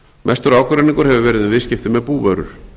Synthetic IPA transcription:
mʔɛst̪ʏɾawkʏɾɛniŋkʏɾ̥hɛvʏvɛːɾɪðɪvɪðscɪft̪ɪmɛðpuːvœɾʏ̰ɾ̥

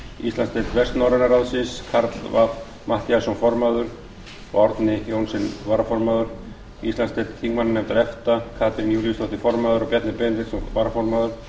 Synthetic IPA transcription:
ḭst̪anst̪eːt̪vɛst̪nɔwɾanaɾaðsɪskʰaɾt̪lvap | mat̪jasɔnfɔɾmaðʏɾ̥ | pɔɾt̪nɪhjownsɪnvaːɾafɔɾmaðʏɾ̥ | ḭsanst̪et̪t̪ʰiŋmannɛmt̪aɾɛft̪akʰaːt̪ʰɾɪnjuːɾist̪ɔht̪ɪfɔɾmaːðʏɾɔpjɛt̪nɪpɛnɾɪk̪svaːɾafɔɾmaːðʏɾ̥

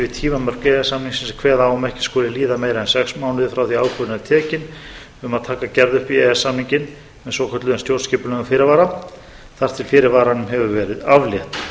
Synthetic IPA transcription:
vɪt̪ʰiːmamœr̥kɛɛsamniŋksɛnsakʰvɛːðaaːwʏmɛhcɪ̥skɔːlɪliːðameːjɾaɛnsɛksmaːwnɪðfɾawθiaːwkʰœðɪnaðt̪ʰɛːcɪn | ʏmaðt̪ʰaːkacɛɾðʏhpiɛɛsːamniɲcɪn | mɛðsɔwkʰœt̪lʏðɛnst̪jowɾscɪːpʏlɛɣafɪːɾɪɾvaːɾa | θaɾ̥t̪ʰɪlfɪːɾɪɾvaːɾanʏmɦɛvʏvɛːɾɪðavljɛht̪

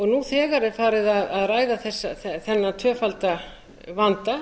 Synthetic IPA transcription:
ɔɣnuθɛːɣaɾɪ̥faːɾɪðaðaðɾaːjðaθɛsːaθɛθɛnːat̪ʰœːfalt̪a | vant̪a

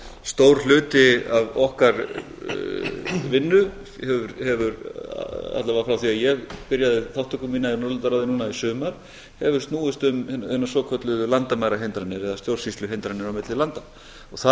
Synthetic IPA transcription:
st̪owɾ̥lʏːt̪ɪavɔhkaɾ | vɪnːʏ | hɛvʏɾhɛvʏɾ̰ | a̰t̪lavafɾawθiajɛɣpɪɾjaðɪθawht̪ʰœkʏmiːnainɔɾlʏnt̪aɾaðɪnuːnaisʏːmaɾ̥ | hɛvʏɾ̥st̪nuːʏst̪ʏmɛhɛnːasɔkʰœt̪lʏlant̪amaːjɾaɦejnt̪ɾanːɪɾɛðast̪jowɾ̥sist̪lʏɦejnt̪ɾanːɪɾawmɪt̪lɪlant̪a | ɔɣθa

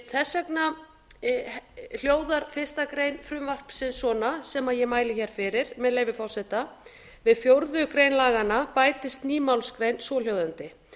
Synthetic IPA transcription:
θɛsːvɛkna | l̥joːwðaɾ̥fɪ̥st̪akɾejnfɾʏmvar̥psɪðsɔːnasɛmaðjɛmaːjlɪçɛːɾ̥fɪɾɪɾ̥mɛðleːjvɪfawsɛt̪a | vɪðfjowɾðʏkɾejnlaːɣanapaːjt̪ɪst̪niːmawlskɾejnsɔːl̥jowðʏnt̪ɪ

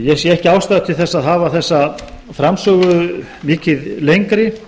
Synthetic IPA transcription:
jɛsjɛɛhcɪaːwst̪aðt̪ʰɪlθɛsːaðɦaːvaθɛsːa | fɾamsœːɣʏ | mɪːcɪðlejŋkɾɪ

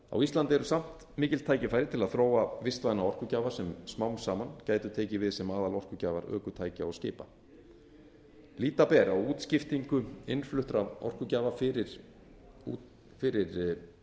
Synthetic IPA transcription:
a̰wist̪lant̪ɪɛɾʏsam̥t̪ | mɪːcɪl̥t̪ʰaːjcɪfajɾɪt̪ʰɪlaðθɾoːwavɪst̪vajðnaɔr̥kʏcaːvasɛmsmawnsaːmancaːjt̪ʏt̪ʰɛːcɪvɪðsɛmaːðalɔr̥kʏcaːvaɾœ̰ːkʏt̪ʰaːjcaɔscɪːpa̰ | liːt̪apɛːɾaɔuːt̪scɪft̪iŋkʏɪnflʏht̪ɾavɔ̰r̥kʏcaːvafɪɾɪɾ | fɪɾɪɾ

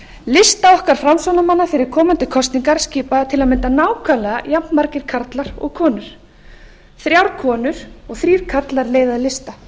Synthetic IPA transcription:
lɪst̪aɔhkaɾ̥fɾamsɔnamanːafɪɾɪɾ̥kʰɔːmant̪ɪkʰɔst̪niŋkaɾ̥sciːpat̪ʰɪlaðmɪnt̪anaːwkʰalɛɣajapnmaɾcɪɾ̥kʰaɾt̪laɾɔ̰ɣkʰɔːnʏɾ̥ | θɾjawɾkʰɔːnʏɾ̥ɔɣθɾiːɾ̥kʰaɾt̪laɾleːjðaðlɪst̪a

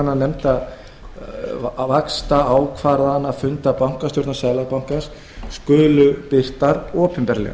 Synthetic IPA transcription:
nːanɛmt̪að | vakst̪aaːwkʰvaːɾðaanːaðfʏnt̪apawŋ̥kast̪jɔwɾt̪nasɛðlaɣpawŋ̥kans | skʏːlʏpɪr̥t̪aɾɔːpʰʏmpɛɾlɛ̰ɣa

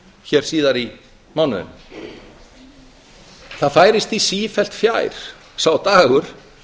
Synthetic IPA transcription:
çɛɾ̥siːðaɾi | mawnʏðʏ̰m | θaðfaːjɾɪst̪isiːfɛl̥t̪fjaːjɾ̥ | sawt̪aːɣʏɾ̥

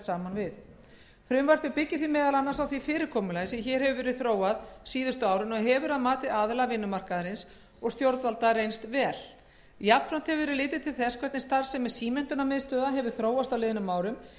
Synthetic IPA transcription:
saːmanvɪð | fɾʏmvar̥pɪpɪcːɪθvimɛːðalanːaɾsawθvifɪːɾɪɾkʰɔːmʏlaːjsɪçɛɾhɛvʏvɛːɾɪðθɾoːwaðsiːðʏst̪ʏaːwɾʏnɔɣɦɛvʏɾaðmaːt̪ɪaðlavɪnːʏmar̥kaðɾɪns | ɔɣst̪jowɾt̪valt̪aɾejnst̪vɛːl̥ | japɾan̥t̪hɛvʏvɛːɾɪɾlɪːt̪ɪt̪ʰɪlθɛskʰvɛɾt̪nɪst̪aɾ̥sɛmːɛðsiːmɛn̥t̪ʏnːamɪðst̪œːðaɦɛvʏɾ̥θɾoːwast̪awlɪːðɪnʏmːaːwɾʏm

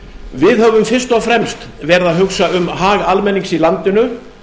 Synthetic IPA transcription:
vɪðhœvʏmfɪrst̪ɔfɾɛmst̪vɛɾðaðɦʏksaʏmɦaːɣalmɛnːiŋsilant̪ɪnʏ

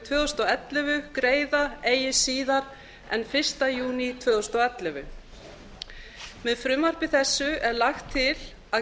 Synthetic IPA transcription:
t̪ʰvœːðʏst̪ɔɛt̪lɛvʏkɾeːjðaeːjɪsiːðaɾ | ɛ̰nfɪr̥st̪ajuːnit̪ʰvœːðʏst̪ɔɛt̪lʏvʏ̰ | mɛðfɾʏmːaɾ̥pɪθɛsːʏɛɾlaxt̪ʰːɪl | að

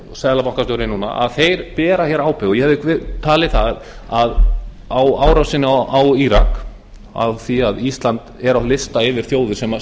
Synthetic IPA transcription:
sɛðlapawŋkast̪œɾɪnuːna̰ʔa̰ðθejɾpɛːɾaçjɛɾaːwpɛɣɔjɛhɛvðɪkvɪt̪ʰaːlɪθaðað | awaːwɾawsɪnːɪaawiɾa̰k | a̰vθiaðist̪lant̪ɛɾawlɪst̪aɪvɪɾ̥θjoːwðʏsɛma

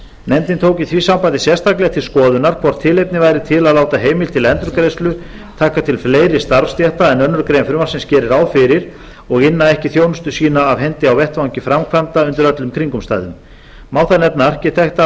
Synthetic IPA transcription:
nɛnt̪ɪnt̪ʰowcɪθvisampajt̪ɪsjɛst̪aklɛat̪ʰɪlskɔːðʏnaɾkʰvɔɾ̥t̪ʰːɪlejpnɪvajɾɪt̪ʰɪlaðlaːwt̪aɦeːjmɪlt̪ʰɪlɛnt̪ɾʏɾkɾejslʏ | t̪ʰaːhkat̪ʰɪlfleːjɾɪst̪aɾvst̪jɛht̪aɛnœnːʏɾkɾejnfɪɾmḁsɪnscɛːɾɪɾawðfɪɾɪɾ̥ | ɔɣɪnːaɛhcɪθjoːwnʏst̪ʏsiːnaːvɦɛnt̪ɪawvɛht̪vawŋcɪfɾamkʰvant̪aʏnt̪ɪɾœt̪lʏmkʰɾiŋkʏmst̪a̰ːjðʏm | maːwθaðnɛpnaar̥cɪ̥t̪ʰɛht̪a

